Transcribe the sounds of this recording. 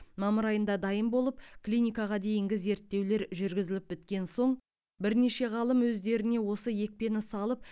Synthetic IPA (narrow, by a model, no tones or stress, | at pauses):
mɑməɾɑjənd̪ɑd̪ɑjəmbo̞lˠəp̚klʲijnʲijkɑʁɑd̪e̞jɪŋɡʲɪze̞ɾt̪ːe̞wle̞ɾʒʏɾɡʲɪzɪlɪp̚bɪt̪kʲe̞nso̞ɴ | bɪɾne̞ʃe̞ʁɑlˠəmwɵzd̪e̞ɾɪne̞wo̞səje̞k̚pe̞nɪsɑlˠəp̚